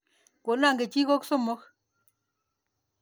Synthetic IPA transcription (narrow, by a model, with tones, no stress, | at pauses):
ko˨na˦˨ŋɡe˨t͡ʃi˦ko˦kso˦˨mɔ˦k